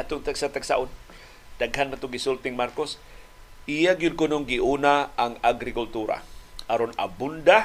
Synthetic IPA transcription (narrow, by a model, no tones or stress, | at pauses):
at̪ʊŋt̪aɡsat̪aɡsa̰ʔʊd̪ | d̪̥aɡɦanmat̪ʊɡɪsʊlt̪ɪŋmarkos | ʔijaɡjʊd̚kʊnoŋɡiʔunaaŋaɡɾɪkʊlt̪uɾa̰ʔaɾona̰bund̪a